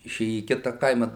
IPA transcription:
ɪˈʃʲeːjɛ iː ˈkʲɪtɐ ˈkɐɪmɐ

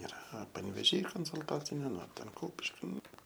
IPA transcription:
ɪˈrɐ pɐnʲʋʲeːˈʒʲiː koːnsʊlˠˈtɑːt͡sʲɪnʲeː nʊ ˈtʲɛn ˈkʊpʲɪʃʲkʲɪ ˈnʊ

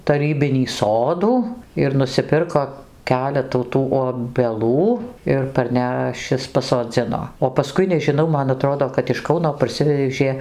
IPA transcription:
tɐˈrʲiːbʲɪnʲiː ˈsoːduː ɪr nʊsʲɪˈpʲɪrkoː ˈkʲæːlʲɛtuː ˈtuː oːbʲɛˈlˠuː ɪr pɐrʲˈnʲæːʃʲɪs pɐsoːˈd͡zʲɪnoː oː pɐˈskʊɪ nʲɛʒʲɪˈnɐʊ mɐn ɐˈtroːdoː kɐt ɪʃ ˈkɐʊnoː pɐrʲˈsʲɪʋʲɛʒʲeː

